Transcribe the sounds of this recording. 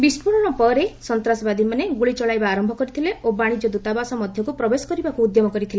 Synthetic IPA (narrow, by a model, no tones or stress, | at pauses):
bispuɽ̃ɔɽ̃ɔpɔɾesɔnt̪ɾasbad̪imaneɡuɭit͡ʃɔɭajbaːɾɔmbʱɔkɔɾit̪ʰileʔobaɽ̃id͡ʒɔd̪ut̪abasɔmɔd̪ʱjɔkupɾɔbesɔ̥kɔɾibakuːd̪jɔmɔkɔɾit̪ʰile